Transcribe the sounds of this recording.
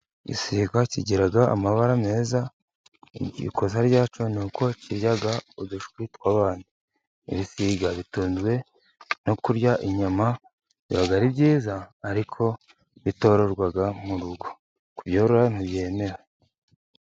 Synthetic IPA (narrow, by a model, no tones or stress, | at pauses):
ɟḭsiɡaciɟiɾaɡaʔa̰maβaɾame̞ːza | ḭɟḭkozaɾɟaːt͡ʃonuːko̞ciɾjaɡaudaʃkwitwaːβaːni | ḭβisiɡaβituːnzwe̞ | no̞kuɾjaʔiɲama | βiβaɡaɾibɟiːzaːɾikʰo̞ | βito̞ɾo̞ɾɡwaɡamuɾuɡo | kubjoːɾoɾan̥iβje̞ːme̞ɾa